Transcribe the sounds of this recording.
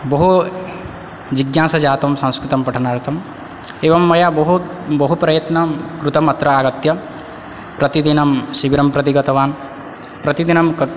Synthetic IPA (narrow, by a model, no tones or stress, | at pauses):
bɐɦu | d͡ʒiɡjaːsɐd͡ʒaːt̪ɐmsɐ̃ŋ̃skɾut̪ɐmpɐʈʰɐnaːɾt̪ʰɐm | eːʋɐmːɐjabɐɦu | bɐɦupɾɐjɐt̪nɐmkɾut̪ɐmɐt̪ɾɐaːɡɐt̪jɐ | pɾɐt̪id̪inɐmʃiʋiɾɐmpɾɐt̪iɡɐt̪ɐʋaːn | pɾɐt̪id̪inɐmk